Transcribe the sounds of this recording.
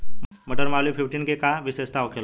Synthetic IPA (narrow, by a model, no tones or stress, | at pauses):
məʈəɾmalifʰifʈiːnkekaʋisest̪aokʰel